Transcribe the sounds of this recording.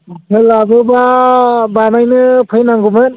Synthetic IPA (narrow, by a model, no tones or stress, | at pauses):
ɦʰɯlabɯbabanajnɯpʰɯjnaŋɡubɯn